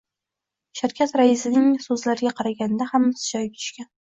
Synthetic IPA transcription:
ʃaɾkʲʰat̪ɾaɪsɪnɪŋsɵzlaɾɪɡʲaqʰɑɾaɡʲanɪd̪ahamːɪsɪ̥d͡ʒɒj̚ʲt̪ʰʊ̥ʃkʲan

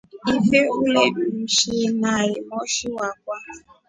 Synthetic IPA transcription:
ifeulem̩ʃinaɣɪmɔʃiwakʷa

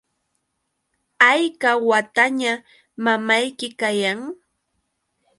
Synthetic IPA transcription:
ajkawat̪aɲa | mamajkɪkajaŋ

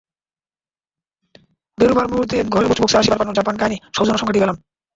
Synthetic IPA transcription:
d̪eɾubʱaɾmuuɾd̪eɡʱɔɾelbut͡ɕboksaaʃibaɾpanːod͡ʑapankajniʃowd͡ʑonaʃɔŋkʰaʈiɛlam

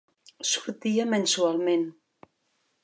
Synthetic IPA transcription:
suɾt̪iamensualˠmen

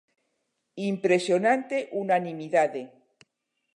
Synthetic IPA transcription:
impɾesjonãnt̪eʔunanimiðaðe

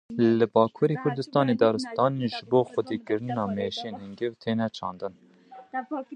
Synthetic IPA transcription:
lɨbɑːkʰuːɾeːkʰʊɾd̪ɨst̪ɑːneːd̪ɑːɾɨst̪ɑːnʒɨboːxʷʊd̪iːkɨɾɨnɑːmeʃieːnhɨŋɡɨvt̪ʰeːnɛt͡ʃʰɑ̰ːnd̪ɨn

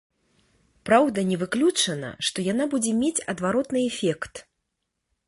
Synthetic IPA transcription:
pɾawd̪ɐnʲɛvɨklʲut͡ʂɐnɐ̰ʂt̪ɔjan̪abud͡zʲɛmʲet͡sʲɐd̪vaɾɔt̪nɨɛfʲɛkt̪

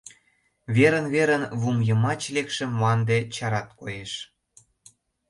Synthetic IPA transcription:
βeɾə̆nβeɾənβumjə̆mɑt͡ɕlekʃə̆mːɑnd̪et͡ɕɑɾɑt̪̚kojeʃ

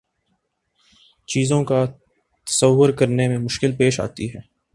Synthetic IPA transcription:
t͡ʃiːzõka | t̪ɐ̥səʋːʊɾkɐɾnemẽmʊʃkɪlpeːʃa̰ːt̪iɦɛː

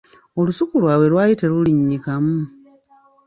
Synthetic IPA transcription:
o̞lusukulwaːwe̞lwaːjiteluliɲːikamu

